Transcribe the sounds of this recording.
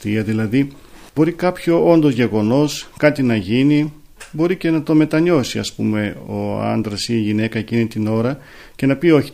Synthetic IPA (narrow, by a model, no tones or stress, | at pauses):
t̪iɐðilɐði | b̥o̞ɾikɐpço̞o̞nd̪o̞zʝe̞ɣo̞no̞skɐt̪inɐʝini | bo̞ɾice̞nɐt̪o̞me̞t̪ɐɲo̞siɐ̰spṵme̞oɐ̰nd̪ɾɐsiːʝine̞kɐecinit̪ino̞ɾɐ | ce̞nɐpio̞çi̥